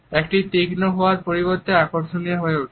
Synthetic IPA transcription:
ek̚ʈit̪iɡnoɦooaɾpoɾiboɾt̪eakoɾʃonijaɦoeoʈʰ

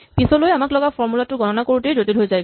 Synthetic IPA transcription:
pisɔlojamaklɔɡafʰɔɹmulatʊɡɔnɔnakoɹutejdotilɦojzaj

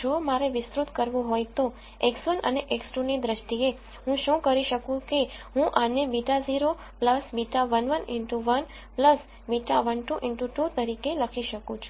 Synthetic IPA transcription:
d͡ʒomaɾeʋɪst̪ɾut̪kəɾʋũɦojt̪o | eksʋənə̰neʔeksʈunid̪ɾəʃʈie | ɦũʃũkəɾiʃəkũkeɦũʔanebiʈaziɾo | pləsbiʈaʋənʋənɪɳʈuʋən | pləs | biʈaʋənʈuʔɪɳʈuʈut̪əɾikeləkʰiʃəkũt͡ʃʰu̥

